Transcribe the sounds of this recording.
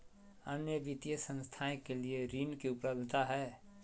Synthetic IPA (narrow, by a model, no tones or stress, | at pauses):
ənjəʋit̪ijəsə̃nst̪ʰaẽkelieɾiːnkiʊpləbd̪ʱt̪aɦɛː